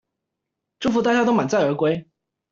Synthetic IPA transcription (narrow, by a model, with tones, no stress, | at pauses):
ʈ͡ʂu˥˩fu˧˥t̪a˥˧t͡ɕja˥˧t̪o˥ʊma˨˩nt͡sa˥˩ɪə˞˧˥kwe˥ɪ